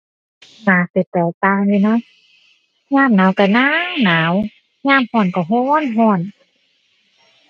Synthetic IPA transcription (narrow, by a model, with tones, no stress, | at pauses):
naː˨˦se˨˩t̪ɛː˨˩t̪aː˧jiː˧˩˨nɔ˧˥˦ | ɲaː˧˥˨mnaː˨˦wka˨˩naː˧˥˨ŋnaː˨˦w | ɲaː˧˥˨mhɔː˧˩˨nkɔ˧˩ɦɔː˧˥˨nɦɔː˧˩n